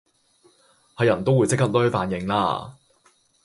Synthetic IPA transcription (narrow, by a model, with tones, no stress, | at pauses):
hɐ˨jɐ˨˩nt̪o˥wuː˨˧jt͡sɪ˥kɐ˥t̚lɵ˥ɥfaː˨˧njɪ˨˧ŋla̰ː˧˥